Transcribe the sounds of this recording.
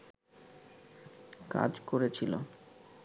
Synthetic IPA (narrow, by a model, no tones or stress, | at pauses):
ka̰d͡ʑkoɾet͡ɕʰilo̰